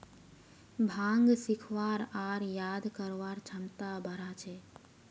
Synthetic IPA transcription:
bʱãːŋɡsɪkʰʋaːɾaːɾjaːd̪kəɾʋaːɾt͡ʃʰəmt̪abʱəɾat͡ʃʰeː

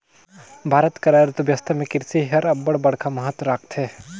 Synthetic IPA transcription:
bʱaːɾət̪kɐɾaɾt̪ʋjɐst̪ʰəmẽkɪɾsiɦɐɾɐbːəɽbɐɽ̤kʰamɐɦət̪wɾaːk̚ʰt̪ɦɛː

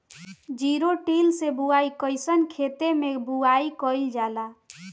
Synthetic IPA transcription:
d͡ʒiɾoʈilsebuaikəɪsənkʰet̪emebuaikəjld͡ʒala

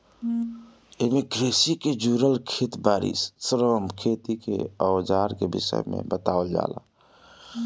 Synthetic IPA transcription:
emẽɡɾeːsiked͡ʒuːɾəlkʰeːt̪baːɾḭssɾoːmkʰeːt̪ikḛɔd͡ʒaːɾkebɪ̰sə̰jmḛ̃bət̪aːəld͡ʒa̰ːla̰

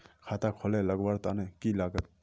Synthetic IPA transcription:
kʰat̪akʰoleləɡwaɾt̪anekilaːɡət̪̚

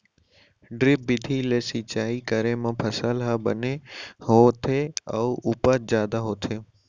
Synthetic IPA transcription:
ɖɾɪp̚bɪd̪ʱileːsit͡ɕaːikəɾemãpʰɐsəlɦabəneɦot̪ʰeəuʊpət̪̚zjaːd̪aɦoːt̪ʰeː

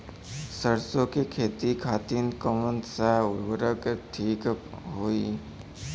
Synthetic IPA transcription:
səɽsõkekʰeːt̪ikʰaːt̪iːnkɔmənsaʊɾʋəɾəkʈʰiːk | ɦoːi

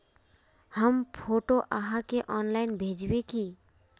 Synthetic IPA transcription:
həmpʰoːʈoʔaɦakeʔɔːnlaɪnbʱeːd͡ʒweki

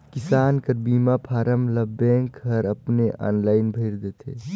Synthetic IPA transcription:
kɪsaːnkəɾbiːmapʰaːɾəmləbẽːŋkɦəɾəpneʔa̰ːnlaːɪnbʱəɪɾd̪eːt̪ʰe

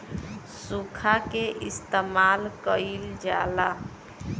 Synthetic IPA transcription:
sukʰakeʔɪst̪emalkəild͡ʒaːla

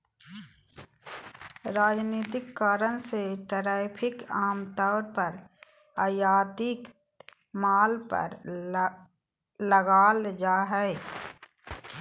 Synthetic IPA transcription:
ɾaːd͡ʒniːt̪ɪkːaːɾəñseʈəɾaːɪpʰɪkaːmt̪ɔːɾpəɾ | aːjaːd̪ɪk | maːlpə̰ɾ | ləɡaːld͡ʒaːɦɛ

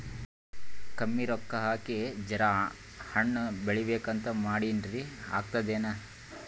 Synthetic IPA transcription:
kɐmːiɾɔkːɐɦaːkid͡ʒɐɾa | hɐɳːbeɭibeːkɐnt̪ɐmaːɽinɾia̰ːk̚t̪ɐd̪eːnɐ

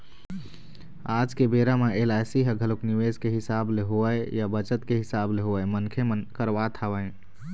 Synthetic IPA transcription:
aːd͡ʒkebeːɾameelaɪsiɦəɡʱəlokniʋezkeɦɪsaːbleɦoəejabət͡ʃət̪keɦɪsaːbleɦoəemənkʰemənkəɾʋat̪ʰaʋəẽ

